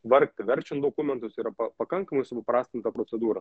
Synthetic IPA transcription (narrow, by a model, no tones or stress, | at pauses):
ʋɐɾkt̪ʲɪʋʲɛɾʲt͡ʃʲɛnt̪d̪oːkʊmʲɛnt̪ʊsiːɾɐpɐpɐkɐŋkɐmɐɪsʊpɐpɾɑːsʲt̪ʲɪnt̪ɐpɾoːt͡s̪ʲɛd̪uːɾɐ